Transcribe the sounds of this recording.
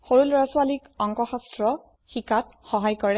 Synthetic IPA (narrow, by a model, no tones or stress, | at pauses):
xoɹulɹaswalikɔŋkɔxastɹɔ | xikatxɔɦajkɔɹɛ